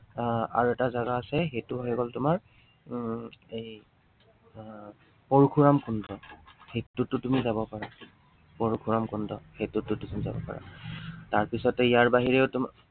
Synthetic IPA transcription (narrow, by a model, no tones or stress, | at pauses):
a̰ɹuɛtazaɡaːsɛxetʊɦɔɛɡɔltʊmaɹ | ej | pɔɹukʰuɹamkundɔxetutʊtumizabɔpaɹa | pɔɹukʰuɹamkundɔxetʊtːʊtusumiza̰bɔ̰pa̰ɹa̰taɹpisɔtɛijaɹbaɦiɹeʊtum